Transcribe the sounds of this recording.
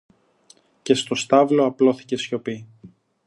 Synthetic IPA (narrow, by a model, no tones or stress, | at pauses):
ce̞st̪o̞st̪ɐvlo̞ɐplo̞θi̥ce̞sço̞pi